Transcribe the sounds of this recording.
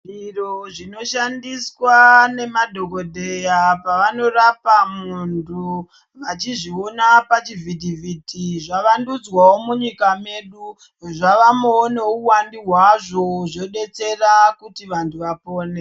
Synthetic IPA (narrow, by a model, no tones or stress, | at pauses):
ʐiroʐino̞ʃandiswane̞madʱo̞ko̞dʱejapaʋano̞rapamuntʰu | ʋat͡ʃiʐio̞napat͡ʃivʱitivʱitiʐaʋandud͡zwawo̞muɲikame̞ɗu | ʐaʋamoːneuwandiɦwaʐo̞ʐo̞ɗe̞t͡se̞rakutiʋantʰuʋapo̞ːne